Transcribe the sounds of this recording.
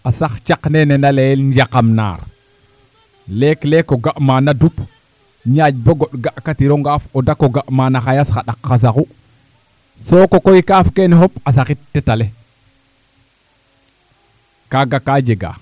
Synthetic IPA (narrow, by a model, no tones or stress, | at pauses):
asaxt͡ʃaknenenalejelɲd͡ʒakamna̰ɾ | leklekoɡaʔmanadup | ɲad͡ʒboɡoɗɡaʔkatiɾoŋɡafodakoɡaʔmaːnaxajasxaɗakːas̬aku | sokokoikafkeneɦopas̬axittːetale | kaɡakad͡ʒeɡa̰